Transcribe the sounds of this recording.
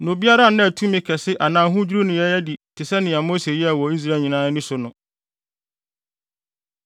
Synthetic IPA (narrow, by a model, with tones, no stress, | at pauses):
nʊ̃˨bi˦a˦ɾa˦nɪ̃˦æ˨tʰũ˦mɪ̃˦kʰɛ˨sɪ˦ʔa˨nãː˨ɦʊ̃˦d͡ʑᶣu˦ɾu˦nʊ̃˨jɛ˦jɛ˦di˨tʰɪ˨sɛ˦nɪ̃˨a˨mo˦se˨ji˦a˨wɔ˨i˦s̬ɾa˦˨ɲĩ˨nãː˦nɪ̃˦sʊ˨nʊ̃˨